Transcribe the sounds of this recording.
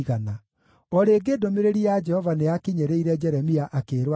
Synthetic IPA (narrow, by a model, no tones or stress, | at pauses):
ɣana | ɔɾeːɡedomeɾeɾiad͡ʒɛhɔvaneakiɲɛɾeiɾɛd͡ʒɛɾɛmiaʔakeːɾwa